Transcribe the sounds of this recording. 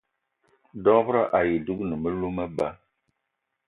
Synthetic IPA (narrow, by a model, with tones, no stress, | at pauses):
dɔ˦vɨ˦ɾa˦˨ʔa˨ji˨du˦ɡnɨ˨mə˦lu˦ma˦ba˦